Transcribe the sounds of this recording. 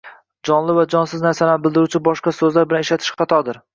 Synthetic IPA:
d͡ʒɒnlɪvad͡ʒɒnsɪznaɾsalanɪbɪlˠd̪ɪɾut͡ʃʰɪbɒʃqɑsɵzlaɾbɪlaneʃlat̪ʰɪ̥ʃχɑt̪ʰɒd̪ɪɾ

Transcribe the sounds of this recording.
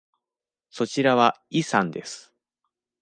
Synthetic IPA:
so̞t͡ɕiɾaβaisãnd̪e̞sɨ̥

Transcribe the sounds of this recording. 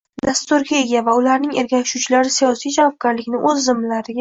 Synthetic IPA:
d̪̥ast̪ʊɾɡʲae̞ɡʲavaʊlaɾnɪŋe̞ɾɡʲakʲʃut͡ʃʰɪlaɾɪsijɒsijd͡ʒavɒb̚ɡʲaɾlɪkʲnɪʔɵzːɪmlaɾɪɡʲa

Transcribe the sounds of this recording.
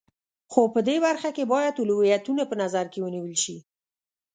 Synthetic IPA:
xopəd̪eβaɾxakebɑjad̪uluwijat̪unapənazaɾkewəniwəlʃi

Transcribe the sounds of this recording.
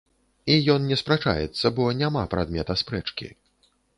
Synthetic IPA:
ijɔnnʲɛspɾat͡ʂa̰jɛ̰t̪sːɐbɔnʲamapɾʔa̰d̪mʲɛt̪ɐspɾɛt͡ʂkʲḭ

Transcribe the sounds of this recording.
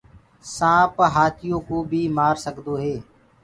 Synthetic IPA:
sãːpɦaːt̪ʰɪjõːkõːbʱiːmaːɾsəɡd̪oːɦeː

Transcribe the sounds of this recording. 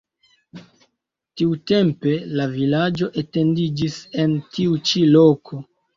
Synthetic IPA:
tiute̞mpe̞lavilad͡ʒo̞ʔete̞ndid͡ʒise̞ntiut͡ʃilo̞kʰo̞

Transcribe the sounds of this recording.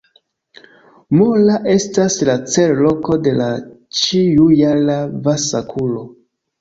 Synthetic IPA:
molaʔe̞staslat͡se̞llo̞ko̞de̞lat͡ʃijujalavasakʰulo

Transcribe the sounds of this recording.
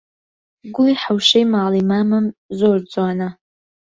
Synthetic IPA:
ɡʷʊiħawʂejmaːlimamɨmzord͡zʼwana

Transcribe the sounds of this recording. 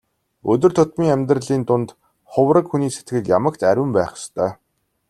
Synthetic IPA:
ɵt̪ɵ̆rt̪ʰʊt̪miːŋæmʲt̪̬rə̆ɮiːnt̪ʊnt̪ | χʊwrə̆kxuniːset̪ɡɘ̆kjamə̆kt̪ʰæɾʲɘ̆mpæːχst̪ʰœː

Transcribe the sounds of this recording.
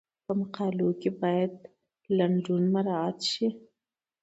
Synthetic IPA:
pəmaqɑlokebɑjad̪ | laɳɖunmaɾɑat̪ʃi

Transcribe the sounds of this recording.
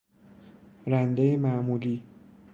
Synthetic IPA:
ɾænd̪ejemæʔmuːliː

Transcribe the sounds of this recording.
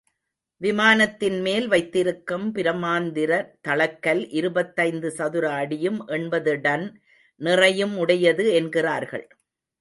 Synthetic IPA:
ʋɪmaːnɐt̪ːɪnmeːlʋɐɪt̪ːɪɾɯkːɯmpɪɾɐmaːnd̪ɪɾɐt̪ɐɭɐkːɐlʔɪɾɯbɐt̪ːɐɪnd̪ɯsɐðɯɾaːɽɪjɯmʔɛnbɐðɯɽɐn | nɪrɐjɯmʊɽɐjɐðɯɛnɡɪraːɾɣɐ̰ɭ

